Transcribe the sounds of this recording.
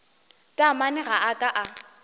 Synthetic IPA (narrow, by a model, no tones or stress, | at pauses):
tʼamanɛɣaʔakʼaʔa